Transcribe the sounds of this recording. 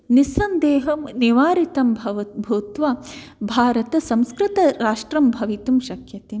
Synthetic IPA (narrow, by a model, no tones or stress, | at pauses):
nisɐnd̪eːɦɐmniʋaːɾit̪ɐmbʱɐʋɐbʱuːt̪ʋaː | bʱaːɾɐt̪ɐsɐ̃mskɾɪt̪ɐɾaːʂʈɾɐmbʱɐʋit̪umʃɐkʰjɐt̪eː